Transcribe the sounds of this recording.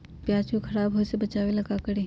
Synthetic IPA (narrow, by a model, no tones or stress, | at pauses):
pjaːt͡ʃũkʰɐɾaːbɦoːsebɐt͡ʃaːʋelɐɡakɐɽeː